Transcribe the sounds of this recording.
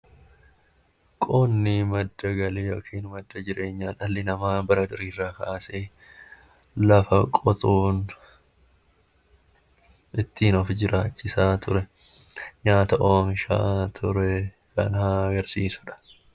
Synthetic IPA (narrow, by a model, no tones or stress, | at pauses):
kʼɔnːɪmɐd̪ːɐɡɐleːjoːkʰiːnmɐd̪ːɐd͡ʒɪɾeːɲːaːᶑɐlːɪnɐmaːbɐɾɐd̪ʊɾiːrːaːkaːseː | lɐfɐkʼɔt̪ʼuːn | ɪt̪ːiːnɔfd͡ʒɪɾʔaːt͡ʃːɪsaːt̪ʊɾɛ | ɲaːt̪ɐʔoːmɪʃa̰ːt̪ʰʊɾɛ | kɐ̰naɡɐɾsiːsʊ̥ᶑɐ̥